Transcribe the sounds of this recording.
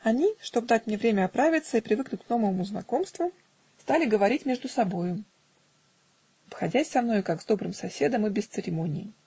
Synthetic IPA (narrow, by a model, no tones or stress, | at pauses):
ɐnʲiʂt̪o̞b̚d̪atʲmnʲevɾʲemʲəɐpɾavʲɪt̪səipɾʲɪvɨknʲʊkno̞vəvəmʊznɐ̰ko̞mst̪vʊ | st̪alʲɪɡəvɐɾʲitʲmʲeʐd̪ʊsɐbo̞jʊ | ɐpxɐdʲæsʲsɐmno̞jkaɡzd̪o̞bɾɨmsɐsʲe̞d̪əmɨbʲɪst̪sɨɾʲɪmo̞nʲɪ̰ː